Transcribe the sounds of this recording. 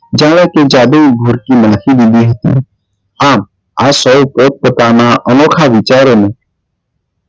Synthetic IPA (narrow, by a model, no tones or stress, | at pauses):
d͡ʒãːɽaked͡ʒaːd̪eibʱʊɾkimənxid̪id̪iɦət̪ḭ | aːm | aːsɔpoːt̪̚pət̪aːnaʔənoːkʰaʋɪt͡ʃaːɾõmẽː